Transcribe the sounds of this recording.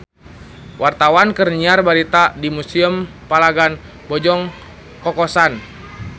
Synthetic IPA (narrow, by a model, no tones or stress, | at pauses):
wʔart̪awankərniarbaɾit̪adimusiəm | palaɡan | bɔd͡ʒɔŋ | kɔkɔsan